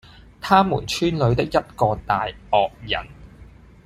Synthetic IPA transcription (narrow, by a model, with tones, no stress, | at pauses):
t̪ʰaː˥mṵː˨˩nt͡ʃʰyː˥nlɵ˨˧ɥt̪ɪ˥k̚jɐ˥t̚kɔː˧t̪aː˨jɔː˨k̚jɐ̰˨˩n